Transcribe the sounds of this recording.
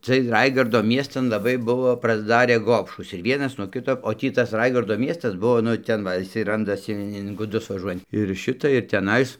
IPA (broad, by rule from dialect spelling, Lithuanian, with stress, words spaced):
t͡sʲɪɜj ˈrɐɪɡɐrdoː ˈmʲiɛstɐn lˠɐˈbɐɪ ˈbʊʋoː prɐzˈdɑːrʲeː ˈɡoːpʃuːs ɪr ˈʋʲiɛnɐs nuɔ ˈkʲɪtoː oː ˈtʲiː tɐs ˈrɐɪɡɐrdoː ˈmʲiɛstɐs ˈbʊʋoː nʊ ˈtʲɛn ʋɐ ɪˈsɐɪ ˈrɐndɐsʲɪ ɪn ɡʊˈdʊs ʋɐˈʒuɔjɛnt ɪr ˈʃʲɪtɐ ɪr tʲɛˈnɐɪs